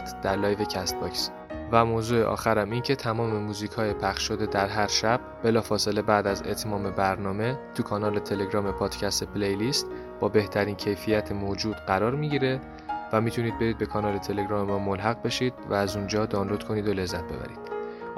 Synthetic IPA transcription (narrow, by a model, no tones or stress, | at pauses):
t̪ʰd̪̥æɾlɒːjve̞cʰæst̪̚bɒks | væmoːzuːeʔɒ̰ːxæɾæmiːncʰe̞t̪ʰæmɒːme̞muːziːcʰɒːjepʰæχʃʃod̪e̞d̪æɾɦæɾʃæb̥̚be̞lɒːfɒːse̞le̞bæːd̪æze̞̰t̪ʰmɒːme̞bæɾnɒːme̞t̪ʰukʰɒːnɒːlet̪ʰe̞le̞ɡɾɒːme̞pʰɒːd̪̥cʰæst̪epʰlejlist̪ | b̥ɒːbe̞ht̪ʰæɾiːncʰe̞jfijæt̪ʰemoːd͡ʒuːd̪̥ɢæɾɒːɾmiɟiːɾe̞ | væmiːt̪ʰuniːd̪̚be̞ɾiːd̪be̞kʰɒːnɒːlet̪ʰe̞leɡɾɒːme̞mɒːmolɦæɣbe̞ʃid̪̥̚væːzund͡ʒɒːd̪ɒːnlo̞d̪̥kʰo̞niːd̪o̞le̞zːæt̪̚ʰbe̞̰bæ̰ɾḭːd̪̥